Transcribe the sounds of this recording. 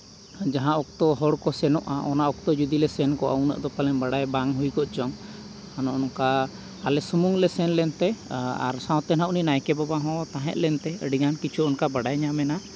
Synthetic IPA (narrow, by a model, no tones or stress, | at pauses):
d͡ʒaɦãʔɔk̚t̪ɔɦɔɽkɔsɛnɔʔaʔɔnaʔɔk̚t̪ɔd͡ʒud̪ilɛsɛnkɔʔə̰wnə̰ʔd̪ɔpalɛnbaɽajbaŋɦujkɔʔt͡ʃɔŋ | anɔʔɔnkaː | lɛsumuŋlɛsɛnlɛnt̪ɛa̰ɾsãw̃t̪ɛnaʔuninajkɛbabaɦɔ̃t̪aɦɛ̰̃ʔ̪̚lɛnt̪ɛəɖiɡankit͡ʃʰuɔnkabaɽajɲamɛna